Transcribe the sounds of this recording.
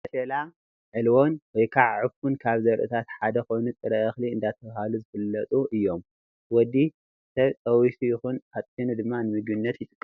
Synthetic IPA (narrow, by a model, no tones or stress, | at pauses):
ɐʃela | ʕɨlwo̞nwɔjkʰaʕʕɨfunkʰaβzɐɾʔɨ̰t̪ʰat̪ħad̪ɐxo̞jnut̪ʼɨɾɐɐxliɨnd̪at̪ʰɐβahaluzɨfɨlːɐt̪ʼuʔɨjːo̞m | wɔd̪i | ɨsʰɐt̪ʼɐwisujɪxunhat̪ʼind̪ɨmːanɨmɨɡɨnːɐt̪jɪt̪ʼɨkʼː